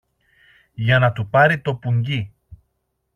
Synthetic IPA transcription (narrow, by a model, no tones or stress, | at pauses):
janat̪upaɾit̪opuŋɡi